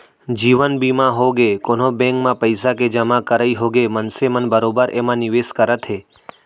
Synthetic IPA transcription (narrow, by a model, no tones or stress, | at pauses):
d͡ʒiʋənbimãɦoɡekon̤obɛ̃ŋkmãpəjsaked͡ʒəmãkəɾaiɦoɡemənsemənbəɾobəɾʔemãniʋeskəɾət̪ʰɦe